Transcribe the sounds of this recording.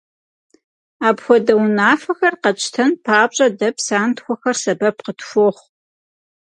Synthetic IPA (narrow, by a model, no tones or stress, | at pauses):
aːbxʷɔdɐwnaːfɐxɐrqɐt͡ʃʼtʰɐnpʰaːpɕʼɐdɐpsaːntxʷɔxɐrsɐbɐpqətfʷoːχʷ